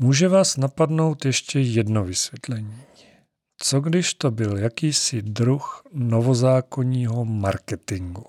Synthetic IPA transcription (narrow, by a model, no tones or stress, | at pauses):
muːʒɛvaːsnapadno̞wt̪jɛʃcɛjɛdnovɪsvʲjɛt̪lɛɲiː | t͡soɡdɪʃt̪o̞bɪljakiːsɪd̪ɾuxnovozaːko̞ɲiːɦomaɾkɛt̪ɪŋɡu